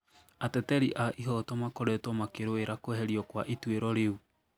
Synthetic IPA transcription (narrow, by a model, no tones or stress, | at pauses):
atɛtɛɾiʔaʔiɦɔtɔmakoɾɛtɔmakeɾoeɾakoɛɦɛɾiɔkwaʔitweɾɔɾeu